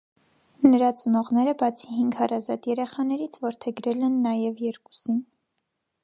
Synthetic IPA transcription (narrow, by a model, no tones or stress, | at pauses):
nəɾɑt͡sənɔʁnɛɾəbɑt͡sʰiɦiŋɡhɑrɑzɑt̪jɛɾɛχɑnɛɾit͡sʰvɔɾt̪ʰɛɡɾɛlɛnːɑjɛvjɛɾku̥sin